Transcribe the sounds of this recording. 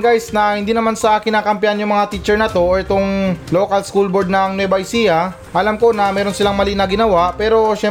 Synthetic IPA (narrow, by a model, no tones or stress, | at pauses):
ɡajsnɐhɪnd̪iːnɐmansɐʔakɪnːaːkɐmpɪjanjʊŋmɐŋat̪iːt͡ʃɛɹnɐt̪o̞ɛt̪oŋlo̞ːkɐlskulboɾd̪nɐŋnwɛbɐjsijɐ | ʔɐlamko̞nɐmɛːɾo̞nsɪlaŋmɐliʔnɐɡɪnɐwaʔpɛːɾo̞ʃɛ